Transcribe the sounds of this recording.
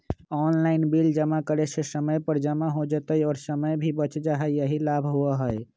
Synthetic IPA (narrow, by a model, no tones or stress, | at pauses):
ɔnlainbild͡ʒəmakəɾesesəməjpəɾd͡ʒəmaɦod͡ʒət̪əjɔːɾsəməjbʱibət͡ʃd͡ʒaɦəjəɦilabʱɦuəɦəj